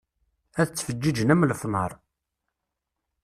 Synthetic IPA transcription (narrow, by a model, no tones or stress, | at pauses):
æθət͡sːfəd͡ʒːid͡ʒənæmlfnəɾˤ